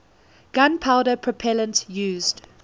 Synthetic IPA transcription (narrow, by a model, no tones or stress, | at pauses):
ɡ̥ãnpʰaʊdəpʰɹ̥əpʰɛlə̃ntjʉːzd̥